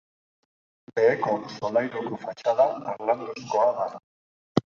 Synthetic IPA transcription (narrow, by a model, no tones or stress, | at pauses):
be̞ːkosolajɾukufat͡ʃaðaːɾland̪osko̞aða